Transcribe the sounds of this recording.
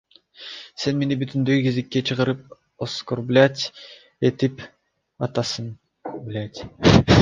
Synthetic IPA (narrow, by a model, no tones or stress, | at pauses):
se̞nme̞nibyt̪ynd̪ykizikːet͡ʃʰɯʁɯɾɯp̚ | oskorblʲat̪ʲ | et̪ip | ɑt̪ɑsɯn | blʲat̪ʲ